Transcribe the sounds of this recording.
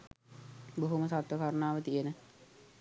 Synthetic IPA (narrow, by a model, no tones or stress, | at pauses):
boɦoməsat̪ʋəkaɾənaːʋət̪ijenə